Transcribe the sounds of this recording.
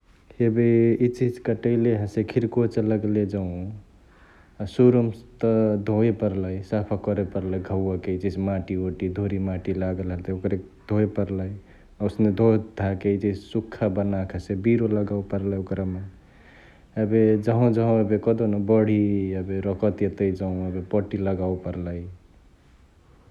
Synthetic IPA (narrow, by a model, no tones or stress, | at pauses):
ebeit͡ʃid͡ʒkəʈəɪleɦəsekʰiɾkot͡ʃləɡled͡ʒəɦũ | suɾumst̪əd̪ʱoepəɾləjsapʰakɔɾepəɾləjɡʱəwakeit͡ʃid͡ʒmaʈioʈid̪ʱoɾimaʈilaɡəlɦəlt̪okɾed̪ʱoepəɾləj | ausned̪ʱod̪ʱaked͡ʒissukʰːabənakʰəsebiɾoləɡaupəɾləjokɾame | ebed͡ʒəɦõd͡ʒəɦõebekɔd̪onəbəɽ̤iebeɾəkət̪jet̪əid͡ʒaɦũebepɔʈiləɡaupəɾləj